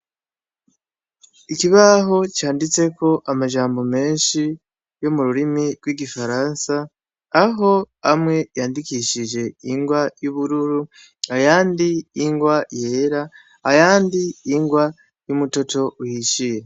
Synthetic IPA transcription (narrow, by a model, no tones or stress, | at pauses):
ikiβaɦo̞t͡ʃaːndit͡se̞ko̞ʔamaʒaːmbo̞me̞ːnʃi | jo̞muɾuɾimiɾɡwiɡifaɾansaː | ɦo̞ | amŋe̞jaːndikiʃiʒe̞iŋɡwajuβuɾuɾu | ajaːndiːŋɡwaje̞ːɾa | ajaːndiːŋɡwa | jumuto̞to̞uhiʃije